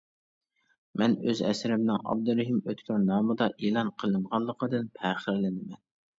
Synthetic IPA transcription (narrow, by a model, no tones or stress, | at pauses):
mɛnøzɛ̰sɾɪmnɪŋɑ̰b̚d̪uɾɛɦimøt̪kʲʰøɾnɑːmɨd̪ɑʔelˠɑnqʰəlˠɨnʁɑnlˠːəqəd̪ɨnpʰɛːχəɾlɪnɪmɛn